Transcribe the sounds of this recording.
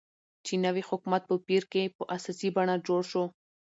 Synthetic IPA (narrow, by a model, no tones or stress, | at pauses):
t͡ʃinawihʊkmat̪̚pəpiɾkepəʔasasibaɳad͡ʒoɽʃo